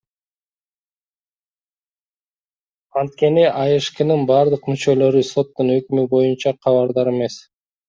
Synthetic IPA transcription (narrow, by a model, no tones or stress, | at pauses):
ɑnt̪̚ke̞niʔɑjɯʃkɯnɯnbɑɾd̪ɯqmyt͡ʃø̞lø̞ɾyso̞t̪ːunøkymybo̞junt͡ʃɑqʰɑβɑɾd̪ɑɾe̞me̞s